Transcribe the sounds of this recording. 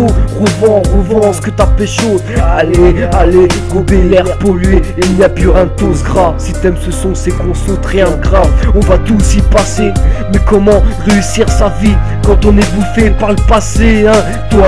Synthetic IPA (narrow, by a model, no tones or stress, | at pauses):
oʁəvɑ̃ʁəvɑ̃sə̥kət̪apɛʃozalealeɡobelɛʁpɔlɥeilnijapyʁɛ̃t̪osɡʁasit̪ɛmsəsɔ̃sekɔ̃sot̪ʁjɛ̃ɡʁavɔ̃vat̪usipasemɛkɔmɑ̃ʁeysiʁsavikɑ̃t̪ɔ̃nɛvufɛpaʁləpaseɛ̃ | t̪wa